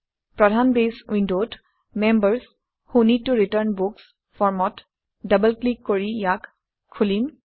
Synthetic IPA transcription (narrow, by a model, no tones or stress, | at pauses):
pɹɔdʱanbeswĩndot | mɛmbəɹs | hunitːuɹitəɹnbuks | fɔɹmɔt | dəbəlklikːoɹijak | kʰːulin